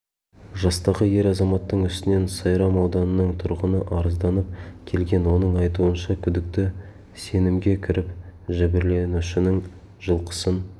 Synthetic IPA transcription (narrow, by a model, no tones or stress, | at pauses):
ʒɑst̪ɑʁəje̞ɾɑzɑmɑt̪ːəɴʏst̪ɪne̞nsɑjɾɑmɑwd̪ɑnənəɴt̪ʰʊɾʁənəʔɑɾəzd̪ɑnəp̚kʲʰe̞lɡʲe̞nwo̞nəɴɑjt̪uənʃɑkʲʰʏd̪ɪk̚t̪ɪ | se̞nɪmɡʲe̞kʲʰɪɾɪpʒɪbɪɾle̞nuʃɪnɪŋ | ʒəlˠqə̥sən